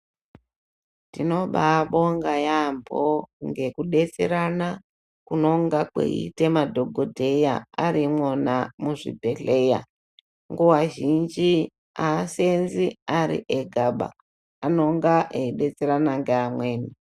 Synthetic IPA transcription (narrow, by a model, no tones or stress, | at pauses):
tino̞ɓaɓo̞ŋɡajambʱoŋɡe̞kuɗe̞t͡seɾana | kuno̞ŋɡakḛḭte̞madʱo̞ɡʱodʱe̞ja̰aɾimwonamuʐḭbʱe̞ɬe̞ja | ŋɡowaʒind͡ʒi | asenziaɾḭʔeɡʱaɓa̰ː | no̞ŋɡaʔeiɗe̞t͡seɾanaŋɡeamwe̞ːni